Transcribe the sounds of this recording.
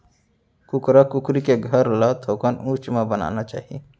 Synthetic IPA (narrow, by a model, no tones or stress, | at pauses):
kʊkɾakʊkɾikeɡʱəɾlat̪ʰoːkənũt͡ʃmãbəna̰ːnat͡ʃa̰ːɦie